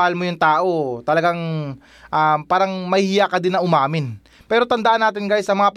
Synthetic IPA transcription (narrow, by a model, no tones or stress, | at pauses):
hɐlmojʊŋt̪aːʔo̞t̪ɐlɐɡaŋ | ʔapaːɾɐŋmɐjhɪjakɐd̪ɪnːɐʔʊmaːmɪn | pɛːɾo̞t̪ɐnd̪ɐʔanːaːt̪ɪnɡaːjʊsɐmɐŋap